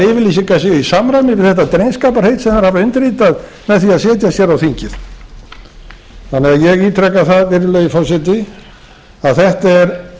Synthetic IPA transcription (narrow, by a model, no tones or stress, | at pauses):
ɪvɪlisiŋkas̬ɛisamɾamɪvɪðθɛht̪at̪ɾejnskaːpaɾ̥hejt̪sɛmθaɾhavaʏnt̪ɪriːt̪að | mɛðθiaðsjɛːt̪̬jasjɛɾawθiɲcɪð | θanɛajɛɣiːt̪ʰɾɛkːaθaðvɪɾɪlœːðɪfɔwsɛt̪ɪ | aðθɛht̪aɛɾ